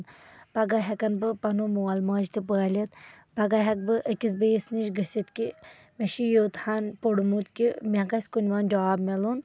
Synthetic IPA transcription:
npɐɡaɦʲɐkɐnbɨpɐnomuwɐlmaːd͡ʒt̪ipɨɣalʲɐt̪ | pɐɡaɦɐk̚bɨʔəkʲis̬bəjisniʃɡəsʲit̪ki | meʃijoːt̪hanpoɽumut̪kimʲaɡɐsʲkunʲʋand͡ʒɐaːbmelun

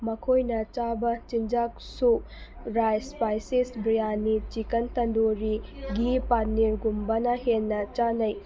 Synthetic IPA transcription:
mɐkʰojnɐt͡ʃabɐt͡ʃind͡ʒak̚ | su | ɾajspajsisbɾijanit͡ʃikɐnt̪ɐndoɾiɡipanːiɾɡumbɐnɐhenːɐt͡ʃanɐj

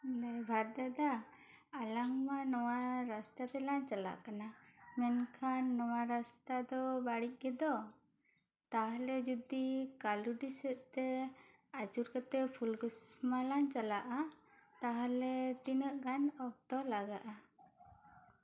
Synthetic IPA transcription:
lɛbʱaɾd̪ad̪aː | laŋmanɔwaɾast̪at̪ɛlaɲt͡ʃala̰ʔkanamɛnkʰanːɔwaɾast̪ad̪ɔbaɽic̚ˀɡɛd̪ɔ | t̪aɦalɛd͡ʒud̪ikaluɖisɛʔ̪t̪ɛ | at͡ʃuɾkət̪ɛpʰulɡusmalaɲt͡ʃalaʔat̪aɦalɛt̪inəʔɡanɔb̚t̪ɔlaɡaʔa

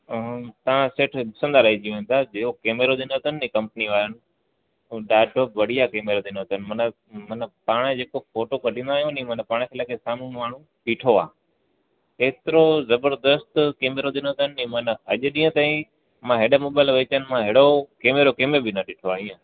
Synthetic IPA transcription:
t̪ɐʋãseːʈʰbʊsə̃nd̪aɾɐɦid͡ʑiõːnt̪ʰad͡ʑeːokeːmeɾod̪ɪnot̪ənːĩːkɐ̃mpniʋaːɾənɪ̆ | ɗaːʈoːpʋɐɽ̤ijakeːmeɾod̪ɪnot̪ənɪ̆mɐnə | mɐnəpaːɽ̃d͡ʑeːkofoːʈokɐɖʱĩːnd̪aːɦijũnĩmɐnəpaːɽ̃kʰeːlaːkʰesaːmũmaːɳ̤ũ | piːʈʰoa̰ː | eːt̪ɪɾozɐbəɾd̪əst̪keːmeɾod̪ɪnot̪ənɪĩmənəɐʄʊɗĩːə̃t̪aːĩ | mãɦeːɗəmoːbaːɪlʋeːt͡ɕənɪmãɦeːɽokeːmeɾokeːmebɪnəɗɪʈʰoaːĩːã

